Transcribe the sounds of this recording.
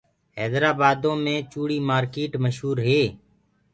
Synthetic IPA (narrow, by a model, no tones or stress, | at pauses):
ɦɛːd̪ɾaːbaːd̪õːmẽːt͡ʃuːɽiːmaːɾkeːʈməʃɦuːɾɦeː